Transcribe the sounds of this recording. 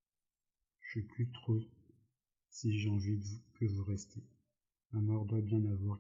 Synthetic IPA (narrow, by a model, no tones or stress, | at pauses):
ʒ̥əplyt̪χo | siʒɑ̃ʒivukəvuʁɛst̪ʰe | mamɔʁd̪wabjɛ̃navwaʁ